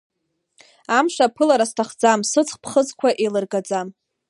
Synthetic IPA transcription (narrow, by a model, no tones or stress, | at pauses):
amʂapʰɨlaɾastʰaχd͡zamsɨt͡sʰʼχpʰχət͡skʷʰaʔelɨrɡad͡zam